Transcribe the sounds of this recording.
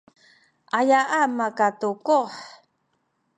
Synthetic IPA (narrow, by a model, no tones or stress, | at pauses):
ʔajaʔamakatukoħ